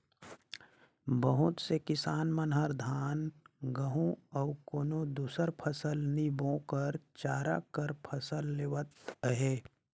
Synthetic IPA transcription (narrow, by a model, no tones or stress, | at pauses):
bəɦʊt̪sekɪsaːnmənɦəɾd̪ʱaːnɡəɦũɔkoːnod̪uːsəɾpʰəsəlnibõːkəɾt͡ʃaːɾa̰kəɾpʰəsəlːeʋət̪ɦeː